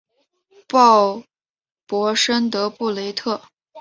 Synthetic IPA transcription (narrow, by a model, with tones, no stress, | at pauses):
pɑ˥˩ʊ | pwɔ˧˥ʂə˥nt̪ɤ˧˥pu˥˩le˧˥ɪt̪ʰɤ˥˩